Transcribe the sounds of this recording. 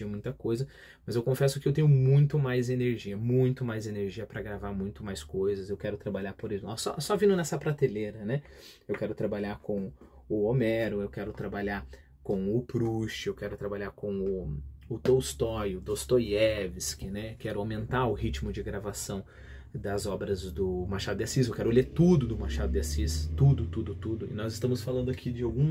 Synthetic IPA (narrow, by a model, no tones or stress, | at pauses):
iɐmũj̃t̪ɐkojzɐ | mɐzewkõfɛsʊkɪewt̪ẽɲʊmũj̃t̪ʊmajzeneɾʒiɐmũj̃t̪ʊmajzeneɾʒiɐpɾɐɡɾavaɾmũj̃t̪ʊmajskojzɐzewkɛɾʊt̪ɾabaʎaɾpoɾisʊɔsɔ̰sɔvĩndʊnɛsɐpɾat̪eleɾɐnɛewkɛɾʊt̪ɾabaʎaɾkõw̃ | ʊomɛɾʊewkɛɾʊt̪ɾabaʎaɾ | kõw̃ʊpɾuʃɪewkɛɾʊt̪ɾabaʎaɾkõw̃ʊʊt̪owst̪ɔjʊd̪ost̪ojɛvɪskɪnɛkɛɾʊawmẽnt̪aɾʊhit͡ʃmʊd͡ʒɪɡɾavasɐ̃w̃ | d̪ɐzɔbɾɐzd̪ʊmaɾʃad̪ʊd̪ɪasizewkɛɾʊleɾt̪ud̪ʊd̪ʊmaɾʃad̪ʊd̪ɪasist̪ud̪ʊt̪ud̪ʊt̪ud̪ʊɪ̰nɔzɪst̪ɐ̃mʊsfalɐ̃ndʊakʰid͡ʒɪawɡũ